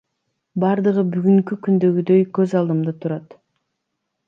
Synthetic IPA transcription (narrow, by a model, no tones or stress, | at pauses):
bɑɾd̪ɯʁɯbyɡyŋkykʲynd̪ø̞ɡyd̪øjkøzɑlˠd̪ɯmd̪ɑt̪ʰuɾɑt̪